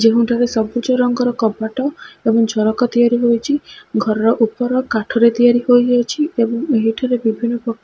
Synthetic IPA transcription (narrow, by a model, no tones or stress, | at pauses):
d͡ʒeɦũɳʈʰaɾesɔbut͡ʃɔɾɔŋɡɔɾɔkɔbaʈɔebɔŋd͡ʒʱɔɾɔkɔt̪ijaɾiɦojt͡ʃʰiɡʱɔɾɔɾɔʔupɔɾɔkaʈʰɔɾet̪ijaɾihojɔt͡ʃʰiebɔŋeɦiʈʰaɾebibʱinːɔpɔkː